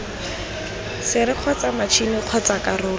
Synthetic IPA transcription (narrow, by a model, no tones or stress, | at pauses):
sɪɾɪq͡χʰɔt͡samat͡ʃʰinɪq͡χʰɔt͡sakarʊː